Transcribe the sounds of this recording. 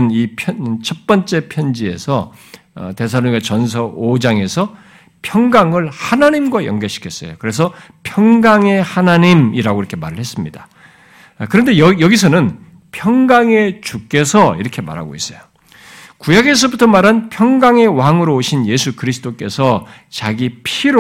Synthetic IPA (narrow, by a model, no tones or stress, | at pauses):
nipʰʌt͡ɕʰʌp͈ʌnt͡ɕ͈e̞pʰjʌnd͡ʑie̞sʰʌ̰ | te̞s̬ʰanoɡat͡ɕʌns̬ʰʌʔod͡ʑaŋe̞sʰʌ | pʰjʌŋɡaŋɯɭhanaɲimɡwajʌ̰ŋɡeɕʰi̥kʰjʌs͈ʌ̰jokɯɾe̞s̬ʰʌ | pʰjʌŋɡaŋe̞hanaɲimiɾaɡoiɾʌkʰe̞ma̰ɾɯɭhes͈ɯmɲidḁ | kɯɾʌnde̞jʌjʌɡisʰʌnɯn | pʰjʌŋɡaŋe̞t͡ɕuk͈e̞sʰʌḭɾʌkʰe̞ma̰ɾɦa̰ɡo̰is͈ʌjo | kujaɡe̞s̬ʰʌbutʰʌmaɾanpʰjʌŋɡaŋe̞waŋɯɾooɕʰinje̞sʰukɯɾisʰɯ̥t͈ok͈e̞sʰʌ | t͡ɕaɡipʰiɾo